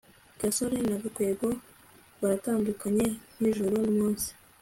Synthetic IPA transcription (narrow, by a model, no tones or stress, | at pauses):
ɡ̥asoɾenaɡakwe̞ːɡo | βaɾataːndukaɲe̞n̥iʒuɾomuːnsi̥